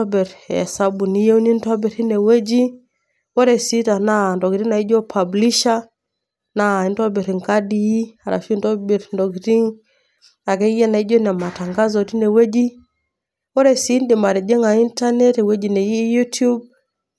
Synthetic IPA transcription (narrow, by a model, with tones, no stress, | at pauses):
ɔ˦bɛ˨ɾɛ̰˨sa˦bu˨ni˨˦je˦u˦ni˦ntɔ˦bɛ˨ɾi˦nɛ˨wɛ˦d͡ʒi˦ | wɔ˦ɾɛ˨si˦ta˨na˨ndɔ˨ɡi˨ɾi˦ŋna˨i˦d͡ʒɔ˦pʰa˨bli˦ʃa˦ | na˨i˨ntɔ˦bɛ˨ɾi˨ŋka˦di˦a˨ɾa̰˨fi˦ndɔ˦bɛ˨ɾndɔ˨ɡi˨ɾi˦ŋ | a˨kɛ˦i˦jɛ˦na˨i˦d͡ʒɔ˦nɛ˨ma˨ta˨ŋɡa˦zɔ˨ti˦nɛ˨wɛ˦d͡ʒi˦ | wɔ˦ɾɛ˨si˦ndi˨ma˨ɾɛ˨d͡ʒɛ˦ŋa˨i˦nta˦nɛ˦tɛ˨wɛ˦d͡ʒi˨nɛ˨i˦ju˦tu˦b̚